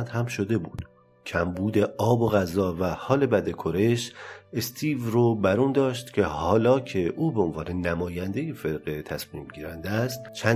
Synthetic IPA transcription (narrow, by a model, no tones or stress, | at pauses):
nd̪hæmʃo̞d̪e̞buːd̪̥ | cʰæmbuːd̪e̞ʔɒːbo̞ɣæzɒːvæhɒːle̞bæd̪ekʰoɾe̞ʃest̪ʰiːvɾobæɾuːnd̪ɒːʃt̪cʲʰe̞hɒːlɒːcʰe̞ʔuːbeonvɒːne̞næmɒːjænd̪e̞jefeɾɣet̪ʰæsmiːmɟiːɾænd̪æst̪t͡ʃʰæ